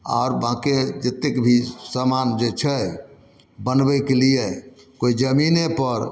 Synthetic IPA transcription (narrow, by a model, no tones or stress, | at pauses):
a̰ʊɾbãked͡ʒet̪ekbʱisamand͡ʒet͡ʃʰɛ | bənbɛkelije | koid͡ʒəminepəɾ